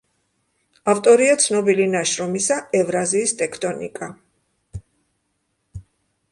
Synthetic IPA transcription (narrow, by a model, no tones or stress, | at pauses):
aft̪ʼɔɾiat̪sʰnɔbilinaʃɾɔmisaɛvɾaziːst̪ʼɛkʰt̪ʼɔnḭkʼa